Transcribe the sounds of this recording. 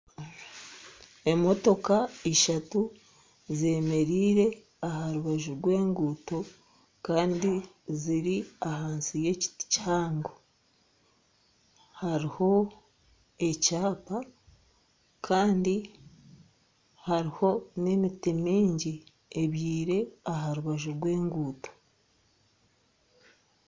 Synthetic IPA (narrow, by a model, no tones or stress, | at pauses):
e̞mo̞to̞kaiʃatu | ze̞me̞ɾiːɾe̞ | ahaɾuβaʒuɾɡwe̞ːŋɡuto̞ | kaːndi | ziɾiahaːnsije̞ci̥tchaːŋɡo | haɾiho̞ | e̞caːpa | kʰaːndi | haɾiho̞ne̞mitimiːɲɟi | eβjiːɾe̞aɦaɾuβaʒuɾɡwe̞ːŋɡuːto̞̥